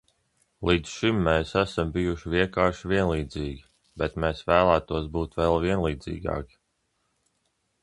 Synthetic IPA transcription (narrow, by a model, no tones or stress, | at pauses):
lˠiːd̪sʃimːɛːsæsambijuʃiviɛŋkaːɾʃiviɛnlˠiːd̪ziːɡʲi | bɛt̪meːsvæːlˠæːt̪uɔs̬buːt̪vɛlˠviɛnlˠiːd̪zḭːɡɑ̰ːki̥